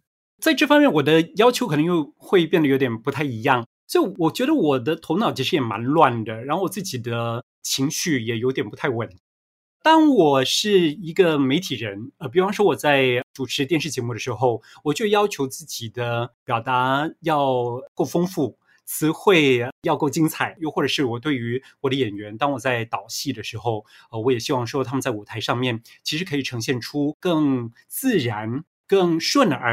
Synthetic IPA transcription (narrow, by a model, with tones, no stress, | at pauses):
t͡sa˥˧ɪʈ͡ʂɤ˥˩fɑ˥mjɛ˥˩nwɔ˨˩d̪ə˦jɑ˥ʊt͡ɕʰjo˧˥kʰn˧ŋjo˥˧ʊxwe˥˧ɪpjɛ˥˩nd̪ə˩jo˧˥jɛ˨˩npu˧˥t̪ʰa˥˩ɪi˧˥jɑ˥˩ŋ | swɔ˧˥i˧˥˩wɔ˨˩t͡ɕɥɛ˧˥ɾə˧wɔ˨˩d̪ə˦t̪ʰo˧˥ʊnɑ˨˩ʊt͡ɕʰi˧˥ʂɻ̩˥jɛ˨˩ma̰˧˥nlwa˥˩nd̪ə˩ɻa˧˥xo˥˩wɔ˨˩t͡sɹ̩˥˩t͡ɕi˨˩d̪ə˦ | t͡ɕʰi˧˥ŋɕy˥˩jɛ˨˩jo˧˥ʊt̪jɛ˨˩npu˧˥t̪ʰa˥˩ɪwə˨˩n | t̪ɑ˥ŋwɔ˨˩ʂɻ̩˥˩i˧˥ɡə˧me˧˥ɪt̪ʰi˨˩ɻə˧˥nə˧˩p̬i˨˩u˥fɑ˥ŋʂwɔ˥wɔ˨˩t͡sa˥˩ɪʈ͡ʂu˨˩ʈ͡ʂʰɻ̩˧˥t̪jɛ˥˧nʂɻ̩˥˩t͡ɕjɛ˧˥mu˥˩d̪ə˩ʂɻ̩˧˥xo˥˧ʊ | wɔ˨˩t͡ɕo˥˧˥jɑ˥ʊt͡ɕʰjo˧˥ʊt͡sɹ̩˥˩t͡ɕi˨˩d̪ə˦pjɑ˨˩ʊt̪a˧˥jɑ˥˩˧ʊko˥˩ʊfɤ˥ŋfu˥˩ | t͡sʰɹ̩˧˥xwe˥˩ɪjɑ˥˧ʊko˥˩ʊt͡ɕi˥ŋt͡sʰa˨˩˦ɪjo˥˧xwɔ˥˩ʈ͡ʂɤ˨˩ʂɻ̩˥˩wɔ˨˩t̪we˥˩ɪy˧˥wɔ˨˩d̪ə˦jɛ˨˩nɥɛ˧˥nt̪ɑ˥ŋwɔ˨˩t͡sa˥˩ɪt̪ɑ˨˩ʊɕi˥˩d̪ə˩ʂɻ̩˧˥xo˥˧ʊ | ə˧wɔ˧˥jɛ˨˩ɕi˥wɑ˥˩ŋʂwɔ˥t̪ʰa˥mə˧nt͡sa˥˩ɪu˨˩t̪ʰa˧˥ɪʂɑ˥˧ŋmjɛ˥˩nt͡ɕʰi˧˥ʂɻ̩˧˥kʰɤ˧˥i˨˩ʈ͡ʂʰɤ˧˥ŋɕjɛ˥˩nʈ͡ʂʰu˥kɤ˥˧ŋ | t͡sɹ̩˥˩ɻa˧˥n | kə˥˧ŋʂwə˥˩nə̰˞˧˥